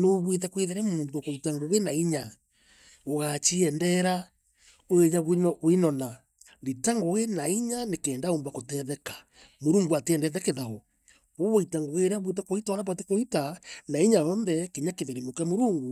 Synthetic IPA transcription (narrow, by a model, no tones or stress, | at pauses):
noβwetɛkweðeɾɛmuːnduokoitaŋɡoɣenaiɲa | oɣat͡ʃiɛndɛɾa | oeɲaβɲɔʔinɔna | ditaŋɡoɣenaiɲanekɛːndaombakotɛðɛkḁ | moɾuːŋɡuatɛːndɛðɛkeðaɣɔ | oβoitaŋɡoɣeɾaβwet̬ɛkoitaɾaβ̬at̬ekoitanaiɲaɔnðɛkiɲakeðeɾemokamoɾuːŋɡu